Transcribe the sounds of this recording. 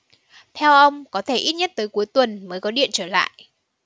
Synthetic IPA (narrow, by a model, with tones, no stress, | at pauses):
t̪ʰɛ˧wʔə˧wŋ͡mkɔ˨˦t̪ʰe˧˩ʔi˦˥t̚ɲə˦˥t̚t̪əː˨˦jku˨˦əjt̪wə˨˩nməː˨˦jkɔ˨˦ɗḭ˧˨ənt͡ɕəː˧˩la̰ː˧˨jʔ